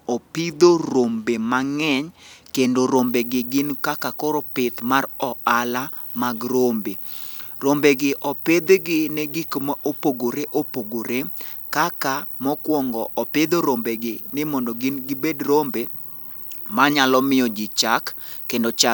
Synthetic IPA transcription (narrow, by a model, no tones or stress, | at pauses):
ɔpɪd̪oɾombemaŋɛɲkendoɾombeɡɪɡɪnkakakɔɾɔpɪt̪marɔala | maɡɾombeɾombeɡɪʔɔped̪ɡɪnɛɡɪkomaʔopoɡoɾeʔopoɡoɾekakamɔkwɔŋɡɔʔɔped̪oɾombeɡɪnɪmɔndɔɡɪnɡɪbedɾombe | maɲalɔmɪjɔd͡ʒɪt͡ʃakːendot͡ʃa